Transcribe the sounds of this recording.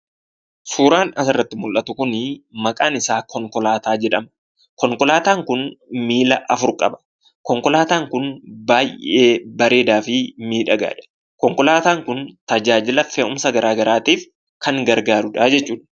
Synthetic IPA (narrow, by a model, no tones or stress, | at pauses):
suːɾaːnɐsɪrːɐt̪ːɪmʊlʔːɐt̪ʊkʊnɪmɐkʼaːnɪsaːkʰɔŋkɔlaːt̪aːd͡ʒɛᶑɐm | kɔŋkɔlaːt̪aːŋkʊnmiːlɐʔɐfʊɾkʼɐbɐ̥ | kɔŋkɔlaːt̪aːŋkʊnbaːjʔe̞ːbɐɾe̞ːd̪aːfɪmiːᶑɐɡa̰ːᶑɐ̥ | kɔŋkɔlaːt̪aːŋkʊnt̪ɐd͡ʒaːd͡ʒɪlɐfeʔʊmsɐɡɐɾaːɡɐɾaːt̪iːf | kɐŋɡɐɾɡaːɾʊᶑaːd͡ʒɛt͡ʃːuːᶑɐ̥